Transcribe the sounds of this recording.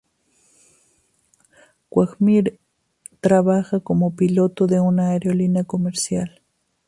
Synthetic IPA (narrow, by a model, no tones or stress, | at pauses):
kwakmiɾ | t̪ɾaβaxakomopilot̪od̪eunaːɾjolinakomeɾsjal